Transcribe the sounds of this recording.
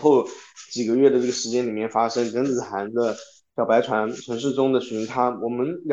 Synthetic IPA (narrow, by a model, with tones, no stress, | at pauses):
xo˥˩ʊt͡ɕi˨˩ɡə˦ɥɛ˥˩d̪ə˩ʈ͡ʂɤ˥˩ɡə˩ʂɻ̩˧˥t͡ɕjɛ˥nli˨˩mjɛ˥˩nfa˥ʂɤ˥ŋkə˧˥nt͡sɹ̩˨˩xa˧˥nd̪ə˧ | ɕjɑ˨˩ʊpa˧˥ɪʈ͡ʂʰwa˧˥nʈ͡ʂʰə˧˥ŋʂ̬ɻ̩˥˩ʈ͡ʂʊ˥ŋd̪ə˨ɕy˧˥t̪ʰa˥wɔ˨˩mə˦nj